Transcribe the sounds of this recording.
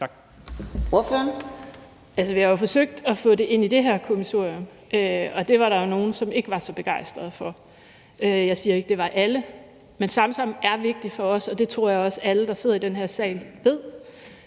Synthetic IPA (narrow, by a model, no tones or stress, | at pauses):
oɐføɐn | ælsəʋihɑjo̝fɒ̽søɡ̥̚d̥ɒfɔ̰̽ːde̝ʔe̝n̰id̥e̝ɦæɐ̰kʰomiso̝̰ɐ̰iɔm | ʔøɒ̽d̥e̝ʋɑ̈ɾɑ̈jo̝no̝ːn̩sɒ̽me̝ɡ̥əʋɑ̈sɒ̽b̥e̝ɡ̥ɑ̈ɪ̰sd̥ʁɐð̞̩ˠfɒ̽ | øjɑ̈ɪsiːɐe̝ɡ̥əd̥e̝ʋɑ̈ʔælə | mensɑ̈msɑ̈m̰̩æɐʋe̝ɡ̥̚d̥ifɒ̽ɒ̽sɒ̽d̥e̝t͡sʰʁo̝ɐ̰jɑ̈ɪɒ̽səæləd̥ɑ̈se̝ð̰ˠid̥enɦæɐ̰sɛ̰ːɪlʋe̝ð̞̰ˠ